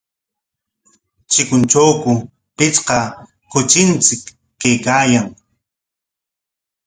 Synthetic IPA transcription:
t͡ʃɪkʊnt͡ʃawkʊ | pɪt͡sqɑ | kʊt͡ʃɪnt͡sɪkː | ajkaːjaŋ

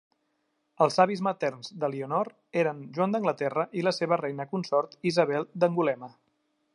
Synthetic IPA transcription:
əlˠzaβizmət̪ɛrnzd̪əliunɔɾt̪eɾənʒuand̪əŋɡlət̪ɛrəʔiləseβərɛjnəkunsɔɾt̪izəβ̞ɛlˠd̪əŋɡulɛmə

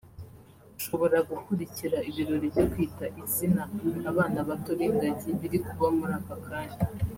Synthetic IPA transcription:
uʃo̞βo̞ɾaɡukuɾiciɾaiβiɾoɾibɟokwiːtaʔizinaːβaːnaβatoɾeŋɡaɟiβiɾikuɡamuɾaːkakaːɲa

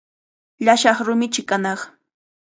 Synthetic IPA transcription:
ʎaʃɑχɾʊmɪt͡ʃɪkanɑχ

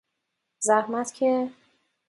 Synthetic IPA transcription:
zæhmæt̪cʲʰe

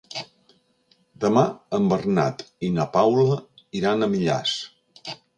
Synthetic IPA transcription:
d̪əmaəmbərna̰t̪inəpawləiɾanəmiʎa̰s

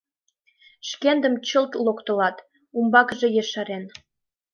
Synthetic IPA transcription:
ʃkend̪ə̆mt͡ɕə̆lt̪lokt̪ə̆lɑt̪ | umbɑkʒe̽jeʃɑɾen

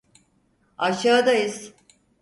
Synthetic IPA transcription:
aʃaːd̪ajiz̥

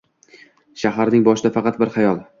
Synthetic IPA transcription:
ʃaɦaɾnɪŋbɒʃɪd̪afɑqʰɑt̪̚bɪɾχɑjɒlˠ

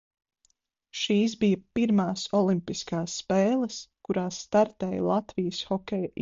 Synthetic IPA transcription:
ʃiːs̬bijɐpiɾmaːsɔlˠimpiskaːsːpeːlˠəskuɾaːsːt̪aɾt̪ɛːj̰lˠat̪vijəsxɔkʲɛj

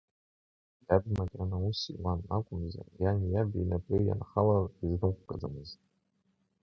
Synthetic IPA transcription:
jabmatʼʕanausḭwanakʷʼʊmza̰rjanjabinapʼeja̰nχalariznɨmqʷkʼad͡zamɨztʼ

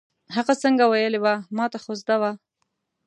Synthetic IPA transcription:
ɦaɣasəŋɡawajəlewamɑt̪axozd̪awa

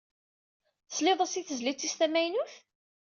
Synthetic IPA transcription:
sleðˤəsiθəzlit͡sːist̪æmæjnuθ

